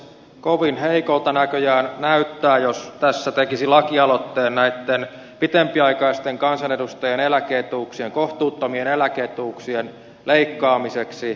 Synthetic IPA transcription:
koʋinheikolt̪ɑnækøjæːnnæyt̪ːæːjost̪æsːæt̪ekisilɑkiɑlot̪ːeːnnæit̪ːen | pit̪empiɑikɑist̪eŋkɑnsɑnedust̪ɑjenelækeːt̪uːksieŋkoht̪uːt̪ːomienelækeːt̪uːksien | leikːɑːmiseksi

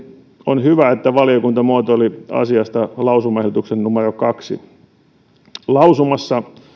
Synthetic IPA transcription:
onhyʋæet̪ːæʋɑliokunt̪ɑmuot̪oliɑ̰siɑst̪ɑlɑusumɑehdut̪uksenːumerokɑksḭ | lɑusumɑsːɑ

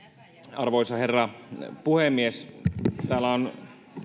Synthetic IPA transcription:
ɑrʋoisɑherːɑpuhemːiest̪æːlːˑæon

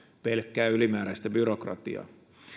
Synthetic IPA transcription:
pelkːæːylimæːɾæist̪æbyɾokrɑ̰t̪ḭɑ̰

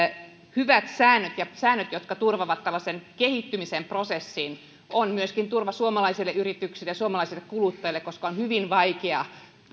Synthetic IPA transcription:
hyʋæt̪sæːnːˑøt̪jɑsæːnːøt̪jot̪kɑt̪urʋɑʋɑt̪ːælːˑɑsenkehit̪ːymisemprosesːin | onmyøskint̪urʋɑsuomɑlɑisilːeʔyrit̪yksilejɑsuomɑlɑisilːekkulut̪ːɑilːˑekoskɑonhyʋinʋɑikeɑ

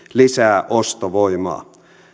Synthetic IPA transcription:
lisæːʔost̪oʋoimɑ̰ː

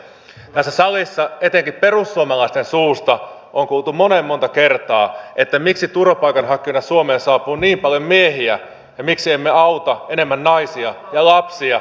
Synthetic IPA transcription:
t̪æsːæsɑlisːɑet̪eŋkipperusːuomɑlɑist̪ensuːst̪ɑʔoŋkuːlt̪umonemːo̞nt̪ɑkert̪ɑːʔet̪ːæmiksit̪uropɑikɑnɦɑkːˑionːɑsuomeːnsɑːpuːniːmpɑljommieɦiæ | jɑmiksiemːeɑut̪ɑene̞mːænːɑisiɑ | jɑlɑpsiɑ

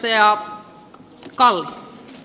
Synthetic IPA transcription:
t̪ɑjɑ | kɑl

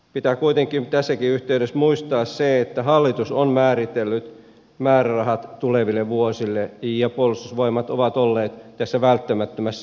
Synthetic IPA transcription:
pit̪ækuit̪eŋkimt̪æsːækiyht̪eydesmuist̪ɑːsseet̪ːæhɑlːit̪usonmæːrit̪elːyt̪ | mæːrærɑhɑt̪t̪uleʋilːeʋuosilːejɑpuolːˑust̪usʋoimɑt̪oʋɑt̪olːeːt̪t̪æsːæʋælt̪ːæmæt̪ːømæsː

